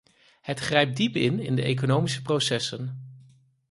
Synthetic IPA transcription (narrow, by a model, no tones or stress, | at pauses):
hətχrejp̚dipɪnɪ̰ndəʔejk̬onowmisəprowsɛsən